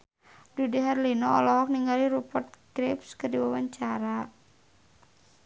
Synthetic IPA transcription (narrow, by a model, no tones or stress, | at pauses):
dudiɦɛrlinɔɔ̰lɔɦɔk̚niŋaliɾupɔrt̪̚kɾɪpskərdiwawaɲt͡ʃaɾa